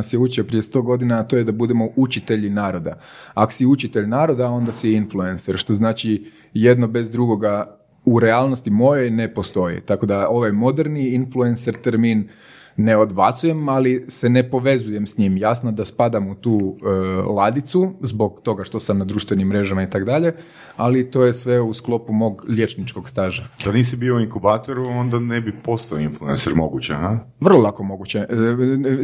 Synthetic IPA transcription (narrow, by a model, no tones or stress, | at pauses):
asjeut͡ʃiopɾije̞st̪o̞ɡo̞d̪inaːt̪o̞ːjed̪abud̪emo̞ʔut͡ʃit̪e̞ʎinaːɾo̞d̪a̰ako̥siut͡ʃit̪eʎnaːɾo̞d̪ao̞nd̪asiinfluenseɾʃt̪o̞znaːt͡ʃi | je̞d̪nobe̞zd̪ɾuɡo̞ɡa | uɾe̞alˠno̞st̪imo̞jojne̞po̞st̪o̞jḭt̪ako̞d̪ao̞ʋajmo̞d̪eɾniinfluenseɾt̪eɾminː | e̞o̞d̪ba̰t̪suje̞malise̞ne̞po̞ʋe̞zuje̞msɲimjasnod̪aspad̪amut̪uːəlˠad̪it̪suzbo̞ɡt̪o̞ɡaʃt̪o̞samnad̪ɾuːʃt̪ʋenimːɾe̞ʒamait̪akd̪aʎe̞ | alit̪o̞ːjesʋe̞usklˠo̞pumo̞ːɡʎje̞t͡ʃnit͡ʃko̞ɡst̪aːʒad̪aniːs̬ibioiŋkubaːt̪oɾuo̞nd̪anebipo̞st̪aoinflˠuḛnseɾmo̞ɡut͡ɕeɦa | ʋər̩lˠolˠako̞mo̞ɡut͡ɕe